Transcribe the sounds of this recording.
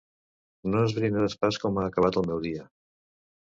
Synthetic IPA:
noezβɾinaðəspaskɔmaːkəβ̞at̪əlˠmɛwðiə

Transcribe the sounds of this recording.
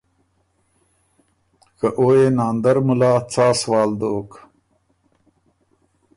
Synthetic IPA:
kəʔoːenaːnd̪ɐɾmulaːt͡saːswaːld̪oːk

